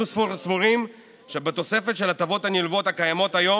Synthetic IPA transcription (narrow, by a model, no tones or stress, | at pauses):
usfusfuʁim | ʃe̞bet̪o̞se̞fe̞t̪ʃe̞lat̪avo̞t̪hanilvo̞t̪hakajamo̞t̪hajo̞